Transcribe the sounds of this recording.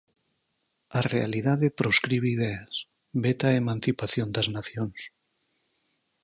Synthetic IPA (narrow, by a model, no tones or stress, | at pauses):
arealiðaðepɾoskɾiβ̞eið̞eas | βet̪aemãn̟θipaθjond̪aznaθjons